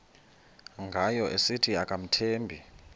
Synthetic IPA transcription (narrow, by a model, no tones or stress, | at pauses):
ŋɡʱajɔʔesitʰiakʼam̩tʰeːmbʱi